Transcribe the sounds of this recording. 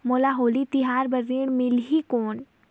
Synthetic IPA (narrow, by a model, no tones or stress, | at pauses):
moːlaɦoːlit̪iɦaːɾbəziɳmɪlɦikoːɳ